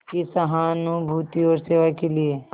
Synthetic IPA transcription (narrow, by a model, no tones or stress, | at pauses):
kisɐɦaːnubʱuːt̪iɔːɾseːʋakelie